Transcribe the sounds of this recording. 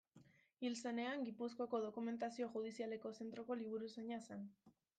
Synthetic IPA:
ilse̞ne̞aŋɡipusko̞ko̞ðo̞kume̞nt̪asio̞xuð̞isiale̞ko̞se̞nt̪ɾo̞ko̞liβ̞uɾuse̞ɲasan

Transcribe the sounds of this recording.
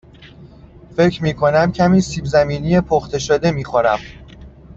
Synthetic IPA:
fe̞ckɾmiːkʰo̞næmcʰæmiːsiːbzæmiːnije̞pʰoxt̪ʰe̞ʃod̪e̞miːxoɾæm

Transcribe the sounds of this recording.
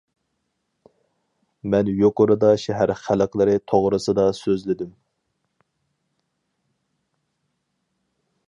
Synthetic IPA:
mɛnjoqʊɾɨd̪ɑʃɛɦæɾχæləqlˠɨɾɨt̪ʰoʁɾɨsɨd̪ɑsøzlɪd̪ym

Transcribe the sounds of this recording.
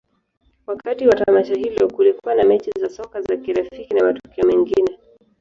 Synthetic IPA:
wakatiwatamaʃahilɔkulikuwanamɛt͡ʃizasɔkazakiɾafikinamatɔ̥kiɔmɛŋɡinɛ

